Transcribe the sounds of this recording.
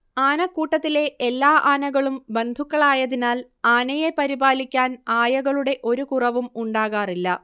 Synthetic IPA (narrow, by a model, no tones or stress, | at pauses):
aːnɐkuːʈːɐt̪ːile̞ʔelːaːʔaːnɐɣɐɭumbe̞nd̪ʱukːɐɭaːjɐðinaːl | aːnɐjepɐɾibaːlikʲːaːnaːjɐɣɐɭuɽe̞ʔo̞ɾukurɐʋumuɳɖaːɣaːrilːɐ